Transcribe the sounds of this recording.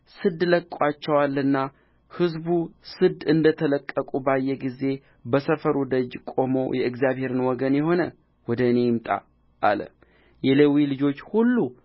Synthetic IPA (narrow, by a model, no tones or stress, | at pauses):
sɨd̪ləkʼat͡ʃːɛwalːɨnːa | hɨzbusɨd̪ɨnd̪ət̪ʰələkʼːəkʼubajːɛɡize̞ | bəsəfəɾwud̪əd͡ʒkʼo̞mo̞jɛɨɡzjaβhe̞ɾɨnwɔɡənjɛho̞nə | wɔd̪əɨne̞jɪmt̪ʼa̰ | ʔa̰lə̰ | jɛlewilɨd͡ʒo̞t͡ʃːhulːu